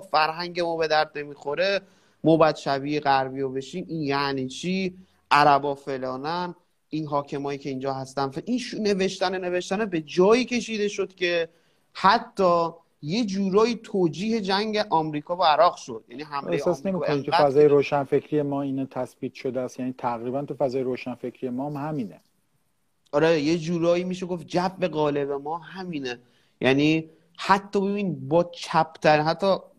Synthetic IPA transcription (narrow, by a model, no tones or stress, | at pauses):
fæɾɦæŋɟemɒːbe̞d̪æɾd̪ne̞miːxo̞ɾe̞ | mɒːbæːd̪̥ʃæbiːeɣæɾviːjobe̞ʃiːminjæniːt͡ʃʰiː | ʔæɾæbɒːfe̞lɒːnæn | inɦɒːcʰe̞mɒːjiːcʰe̞ind͡ʒɒːɦæst̪ænfʔinʃne̞ve̞ʃt̪ænene̞ve̞ʃt̪ænebe̞d͡ʒɒːjiːcʰe̞ʃiːd̪e̞ʃo̞d̪̥cʲʰe̞ | hæt̪ʰːɒː | je̞d͡ʒuːɾɒːjiːt̪ʰoːd͡ʒiːhe̞d͡ʒæŋɟeʔɒːmɾiːkʰɒːbɒæɾɒːɣʃo̞d̪̥jæniːɦæmejesɒːsnemiːkoniit̪ʰufæzɒːjeɾoːʃænfe̞cʰɾijemɒːinɛt̪ʰæsbiːt̪ʃod̪eæst̪jæniːt̪ʰæɣɾiːbænt̪ʰufæzɒːjeɾoːʃænfecʰɾijemɒːmhæmiːne | ɒɾeje̞d͡ʒuːɾɒːjiːmiːʃeɡo̞fd͡ʒæfbe̞ɣɒːle̞βe̞mɒːɦæmiːne | jʔæːniː | hæt̪ʰːɒːbebinibɒːt͡ʃʰæpʰt̪ʰæɾiɦæt̪ːɒː